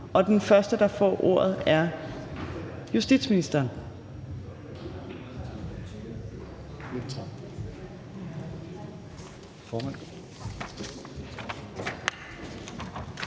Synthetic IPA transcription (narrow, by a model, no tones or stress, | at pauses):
ɒ̽d̥enfɶɐsd̥əd̥ɑ̈fɒ̰ːʔo̝̰ɐ̰ð̞̩ˠæɐ | jusd̥ḭd̥sminisd̥ɐːn | e̥t͡sʰʁɑ | fɒːmæn̰